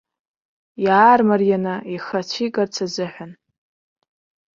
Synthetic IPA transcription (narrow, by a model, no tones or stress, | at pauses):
jaːrmarjanaiχat͡ɕʷʰikʼart͡sʰazɨħʷan